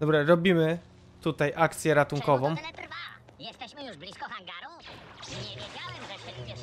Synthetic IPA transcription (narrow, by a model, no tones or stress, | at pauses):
d̪ɔbɾaɾɔbʲimɘ | t̪ut̪ajʔakt̪sʲjɛɾat̪uŋkɔvɔ̃m̃ɛt̪ɾva | jɛst̪ɛɕmɘjuʐblʲiskɔxaŋɡaɾuɲɛvʲjed͡ʑawɛmʐɛɛuɛ